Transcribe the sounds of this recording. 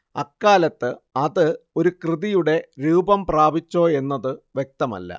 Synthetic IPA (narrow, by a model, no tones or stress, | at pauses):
ɐkːaːlɐt̪ːɨɐðɨo̞ɾukrɨðijuɽe̞ɾuːbɐmpraːbit͡ɕːo̞ːe̞nːɐðɨʋje̞k̚t̪ɐmɐ̰lːɐ̰